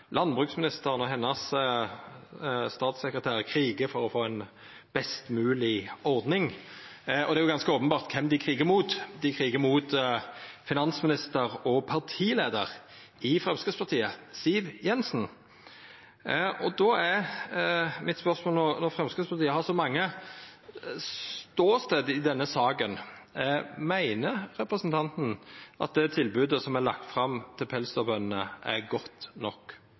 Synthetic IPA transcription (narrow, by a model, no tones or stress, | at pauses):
lʔɑnbʁʉːksmɪnɪst̪əʁənɔɦɛnːəs | st̪ɑːt̪sɛkɾət̪ʰæːʁkʰɾiːɡəfɔɾɔfoːɛn | b̥ɛst̪mʉːlɪɔɾd̪nɪŋ | ɔd̪ɛæɾjʊɡɑnskəoːpənbɑːʁt̪kʰɛmd̪ɪkʰɾiːɡəɾmuːt̪d̪ɪkʰɾiːɡəmut̪ | fɪnɑnsmɪnɪst̪əɾɔpʰɑʁt̪ʰiːleːd̪əʁ | ɪfɾɛmskɾəd̪spʰɑʁt̪ʰiːəsiːʋjɛnsn | ɔd̪ɔæɾ | mɪt̪spœɾsmoːlnɔnɔfɾɛmskɾəspʰɑɾt̪iːəhɑsɔmɑŋːə | st̪oːst̪eːd̪ɪd̪ɛnːəsɑːɡən | mæɪnəɾɾɛpɾəsənt̪ʰɑnt̪nʔɑ̰t̪̚d̪ɛt̪ʰɪlbʉːd̪əsɔmælɑ̰k̚t̪fɾɑmt̪ʰɪlpʰɛlst̪ɔbœnnəʔæ̰ɾɡɔt̪nɔkː